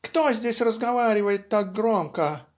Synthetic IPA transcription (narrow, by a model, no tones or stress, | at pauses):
kt̪ozʲdʲesʲrəzɡɐvaɾʲɪvəjɪt̪ːak̚ɡɾomkə